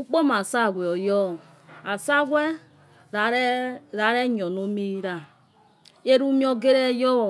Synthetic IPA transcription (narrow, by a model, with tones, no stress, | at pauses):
u˦k͡po˦ma˨sa˦˨ɡʷe˨ɔ˨jɔ˦˨ | a˨sa˦ɡʷɛ˦ | ɾɾa˨˦ɾɛ˦ɲ˨ɔ˨no˦mi˦ɾa˨ | e˦ɾu˦mi˦ɔ˦ɡe˦ɾe˦jɔ˦˨